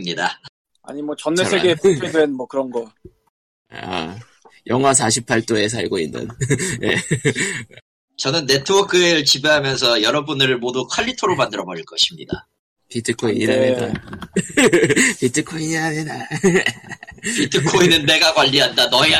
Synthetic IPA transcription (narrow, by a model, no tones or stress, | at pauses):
mɲida | a̰ɲimwʌt͡ɕʌnːesʰeɡepʰedwenmwʌkɯɾʌnɡʌ | a | jʔʌŋwas̬ʰaɕʰipʰaɭt͈oe̞s̬ʰaɭɡoḭnːɯ̰nne | t͡ɕʌnɯnːe̞tʰɯbʌkʰɯeɾɯɭt͡ɕibeɦamjʌns̬ʰʌjʌɾʌbunɯɾɯɭmodukʰwaʎːitʰoɾomandɯɾʌbʌɾiɭk͈ʌɕʰimɲida̰ | pitʰɯkʰoiɲiɾaneda̰ | pitʰɯkʰoiniɾaneda | pitʰɯkʰoinɯnːe̞ɡaɡwaʎːiɦandanʌia